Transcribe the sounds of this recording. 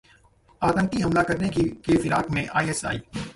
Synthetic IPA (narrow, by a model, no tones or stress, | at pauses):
aːt̪ə̃ŋʈ̪iɦɐmlakɐɾnekikefɪɾaːkmẽʔaːiɛsa̰ːḭː